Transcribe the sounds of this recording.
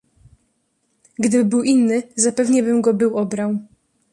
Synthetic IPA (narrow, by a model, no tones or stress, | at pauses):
ɡd̪ɘbɘbɘwʔinːɘzapɛvɲɛbɘmɡɔbɘwɔbɾaw